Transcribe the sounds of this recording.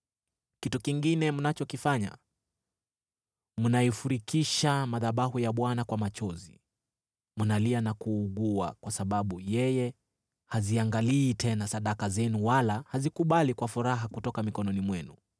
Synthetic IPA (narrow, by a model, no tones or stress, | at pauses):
kitukiŋɡinɛmunat͡ʃɔkifaɲa̰ | munaifuɾikiʃamaðaɓahujaɓwanakwamat͡ʃɔzi | munalianakuːɡua̰kwasaɓaɓujɛjɛ | haziaŋɡaliːtɛnasaɗakazɛnuwalahazikuɓalikwafuɾaɦakutɔkamikɔnɔnimwɛnu